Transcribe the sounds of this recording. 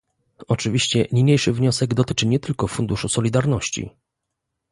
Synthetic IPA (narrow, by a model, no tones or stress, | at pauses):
ɔt͡ʂɘvʲiɕt͡ɕɛɲiɲejʂɘvɲɔsɛɡd̪ɔt̪ɘ̥t͡ʂɘɲɛt̪ɘlkɔfund̪uʂusɔlʲid̪aɾnɔɕt͡ɕḭ